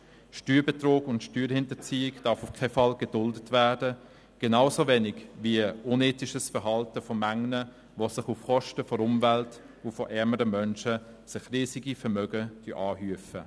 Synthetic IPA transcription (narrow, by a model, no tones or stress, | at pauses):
ʃtyːɾbetroːɡʊntʃtyːɾhɪntət͡siːɪkd̥ɑfʊfkʰɛfɑlɡedʊldətvæːdə | ɡ̥enaʊsovɛːnɪɡʋiəʊneːtɪʃəsfəɾɦɑltəfɔmæŋnə | ʋosɪχufχɔʃtəfɔɾʊmvɛlt | ufɔʔɛməɾəmœnʃə | sɪχriːsɪɡifɛɾmœɡəd̥yʔɑːhyəfə